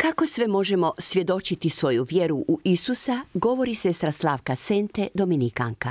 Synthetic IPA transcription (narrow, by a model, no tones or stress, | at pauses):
kako̞sʋemo̞ʒe̞mo̞sʋʲje̞d̪o̞t͡ʃit̪isʋo̞juʋje̞ɾuʔuʔisusaɡo̞ʋo̞ɾise̞st̪ɾaslˠaːʋkasent̪e̞d̪o̞minika̰ŋka